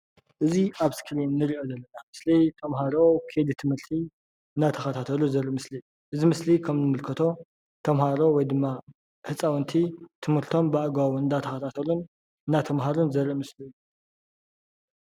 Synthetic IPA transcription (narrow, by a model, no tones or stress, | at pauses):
ʔɨziʔaβskɾinːɨɾiʔo̞zɐlːɐnamɨslit̪ʰɐmɦaɾo̞kʰed̪it̪ʰɨmhɨɾt̪ʰi | ɨnd̪at̪ʰɐxɐt̪ʰat̪ʰɐluzɐɾʔimɨsli | ʔɨzimɨslikʰɐmnɨmɨlkʰɐt̪ʰo̞ | t̪ʰɐmɦaɾo̞wɔjd̪ɨmːa | hɨt͡sʼawɨnt̪ʰit̪ʰɨmhɨɾt̪ʰo̞mbaʔɡawɨnd̪at̪ʰɐxɐt̪ʰat̪ʰɐlun | ɨnːat̪ʰɐmɦaɾunzɐɾʔimɨsliɨju